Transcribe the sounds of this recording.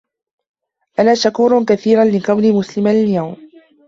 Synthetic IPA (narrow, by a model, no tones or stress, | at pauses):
ʔanaːʃakuːɾˤkaθiːɾanlɪqɑwniːmʊslɪmaljawm